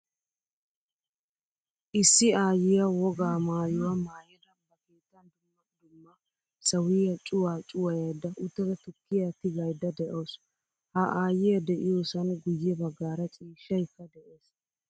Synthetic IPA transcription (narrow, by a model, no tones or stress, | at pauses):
ʔɪsːɪaːjɪjɐwɔɡaːmaːjʊwamaːjɛd̪ɐmbɐkeːt̪ːɐnd̪ʊmːɐnd̪ʊmːɐ | sɐwiːjɐt͡ʃʼʊwaːt͡ʃʼʊwɐjɐjd̪ːɐʔʊt̪ːɛd̪ɐt̪ʊkːɪjat̪ːɪɡɐjd̪ːɐd̪ɛʔoːs | haʔaːjɪjɐd̪ɛʔɪjoːsɐnɡʊjːɛbɐɡːaːɾɐt͡ʃʼiːʃːɐjkːɐd̪ɛʔeːs